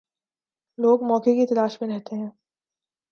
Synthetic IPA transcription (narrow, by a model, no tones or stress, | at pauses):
loːɡmɔːkekit̪ɐlaːʃmẽɾɛɦt̪eɦɛ̃ː